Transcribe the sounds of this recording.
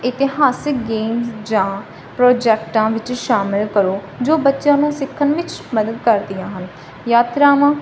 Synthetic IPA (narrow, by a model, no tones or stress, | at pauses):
ɪt̪ɪɦaːsɪk̚ɡeːmsd͡ʒãː | pɾɔːd͡ʒɛːkʈãːʋɪt͡ʃʃaːmɪlkəɾoː | d͡ʒoːbətːʃjãːnũːsɪkʰːənʋɪt͡ʃməd̪əd̪kəɾd̪ijãːɦən | jaːt̪ɾaːʋãː